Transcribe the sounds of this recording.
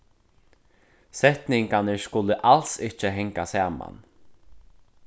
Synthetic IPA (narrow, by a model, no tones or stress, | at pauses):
sɛht̪nɪŋkanɪskʊlɪʔalsɪht͡ʃɪɦɛŋkasaːma̰n